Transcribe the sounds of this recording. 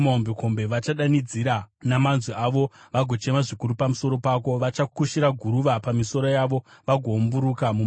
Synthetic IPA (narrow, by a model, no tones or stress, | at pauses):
maombeko̞mbe̞ʋat͡ʃaɗanid͡ziɾanamanzwiaʋo̞ʋaɡʱo̞t͡ʃe̞maʐikuɾupamuso̞ɾo̞pako̞ʋat͡ʃakuʃiɾaɡʱuɾuʋapamiso̞ɾo̞jaʋo̞ʋaɡʱo̞mbuɾukamu